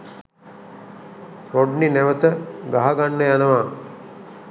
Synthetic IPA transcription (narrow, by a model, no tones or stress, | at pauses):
ɾoɖnineʋət̪əɡaɦaɡanːəjanəʋaː